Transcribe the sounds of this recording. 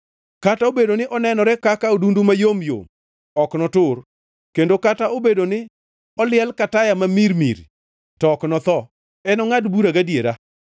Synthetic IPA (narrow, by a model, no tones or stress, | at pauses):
kataobedonɪʔɔnɛnɔɾɛkakaodundumajomjo̰m | ɔknɔtʊr | kendokataobedonɪ | ɔlɪɛlkatajamamiɾmḭɾ | tɔːknɔt̪ɔ | ɛnɔŋadbuɾaɡadjeɾa